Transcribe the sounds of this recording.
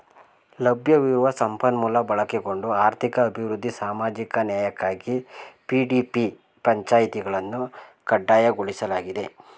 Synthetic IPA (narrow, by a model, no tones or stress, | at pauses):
lɐbʱjɐʋiɾuʋɐsɐmpɐnmulɐbɐɭɐkeɡo̞ɳɖuaːɾt̪ʰikɐːbʱiʋɾud̪ʱːisaːmaːd͡ʒikɐnjaːjɐkːaːɡipiɖipi | pɐɲt͡ʃaːjit̪iɡɐɭɐnːu | kɐɖːaːjɐɡoɭisɐlaːɡid̪e̞